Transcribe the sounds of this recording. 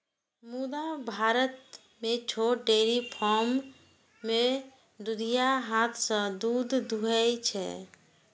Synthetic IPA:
mud̪abʱaɾət̪̚ | met͡ʃʰoʈɖeɾipʰɔɾmː | e | d̪ud̪ʱijaɦat̪ʰsə̃d̪ud̪ːʱuɛjt͡ʃʰɛ̰

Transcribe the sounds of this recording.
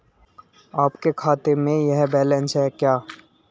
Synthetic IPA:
aːpkekʰaːt̪emẽjɛɦbɛːlɛ̃nsɦɛkjaː

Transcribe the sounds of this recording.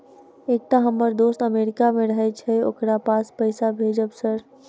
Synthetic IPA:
ek̚t̪aɦəmːəɾd̪ost̪əmeɾɪkamẽɾəɦɛt͡ʃʰɛo̰kɾapaspəɪsabʱed͡ʒəbsəɾ

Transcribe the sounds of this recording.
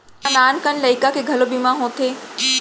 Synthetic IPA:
anaːnkənləɪkakʰeɡʱɐlobimãɦõt̪ʰeː

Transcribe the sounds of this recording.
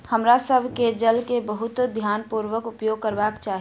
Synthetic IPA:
həmɾasəbʱked͡ʒəlkebəɦʊt̪d̪ʱjaːnpuɾʋəkʊpjoːɡ̚kəɾbaːkt͡ʃaːɦ

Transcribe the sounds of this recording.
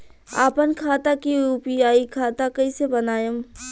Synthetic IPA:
a̰ːpənkʰaːt̪akiuːpiaːikʰaːt̪akɐisebɐnaːjəm

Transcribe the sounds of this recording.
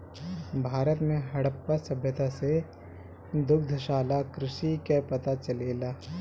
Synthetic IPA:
bʱaːɾət̪mẽɦɐɽəpːasɐbʱjət̪ase | d̪ʊk̚d̪ʱəʃaːlakɾɪʃikepɐt̪at͡ʃɐleːlaː

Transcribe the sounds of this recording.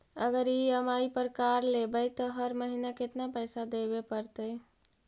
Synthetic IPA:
əɡəɾiəmaipəɾkaɾlebəjt̪ɔɦəɾməɦinaket̪napəjsad̪ebepəɾt̪əj

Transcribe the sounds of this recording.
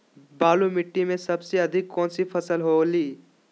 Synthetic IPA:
baːlumɪʈːimẽsɐbseɐd̪ʱɪkːɔːnsipʰɐsəlɦoːliː

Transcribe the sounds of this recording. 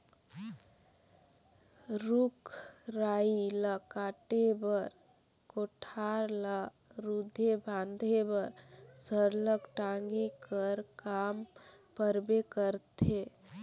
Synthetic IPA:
ɾukʰɾailəkaʈebəɾ | koʈʰaɾla | ɾud̪ʱebʱãnd̪ʱebəɾd͡ʒʱəɾləkʈaŋɡikəɾkampəɾbekəɾt̪e

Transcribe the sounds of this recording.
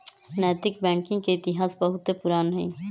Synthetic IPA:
nɛːt̪ɪkbɛ̃ːŋkɪ̃ŋɡ̚keɪt̪ɪɦaːsbɐɦʊt̪epʊɾaːnɦɛ̃

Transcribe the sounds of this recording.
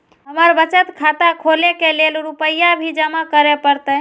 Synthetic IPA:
ɦəməɾbət͡ʃət̪kʰat̪akʰolekelelɾupəjːabʱid͡ʒəmakəɾepəɾt̪ə

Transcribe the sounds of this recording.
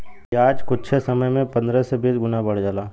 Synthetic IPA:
iaːd͡ʒkʊtːʃʰesɐməjmẽpɐ̃nd̪ɾɛsebʱiːd͡ʒɡʊnabɐɽ̤d͡ʒaːlaː

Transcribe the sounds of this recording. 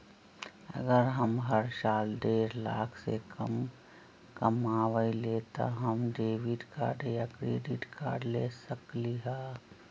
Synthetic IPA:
ə̰ɡəɾɦəmɦəɾsaːlɖeːɾla̰ːkʰsḛkə̰m | kɐmaːʋəilet̪a̰ɦəmɖeːʋiɖka̰ːɖejakɾeːɖiʈka̰ːɾɖleːsəkliɦaː

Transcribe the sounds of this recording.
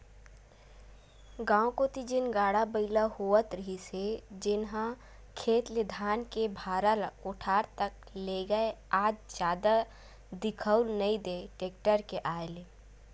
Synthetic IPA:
ɡãːõkot̪id͡ʒɪnɡaːɽabəɪlahoət̪ɾəɦised͡ʒɪnɦã | kʰeːt̪led̪ʱaːnkebʱaːɾəlʊʈʰaːɾt̪ək̚ | leːɡəeaːd͡ʒd͡ʒjaːd̪a | d̪ɪkʰəʊlnəĩd̪eʈeːk̚ʈəɾkeʔaːele

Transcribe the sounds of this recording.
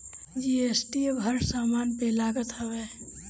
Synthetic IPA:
d͡ʒiesʈibʱəɾsaːmaːnpelaːɡət̪ɦəʋɛ

